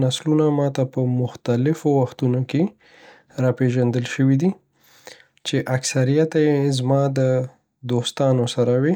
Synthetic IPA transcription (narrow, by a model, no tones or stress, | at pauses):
naslunamɑt̪apəmʊxt̪alɪfowaxt̪unoke | ɾɑpeʒand̪əlʃəwid̪i | t͡ʃeʔaksaɾijat̪ajezmɑd̪ə | d̪ost̪ɑnosaɾawe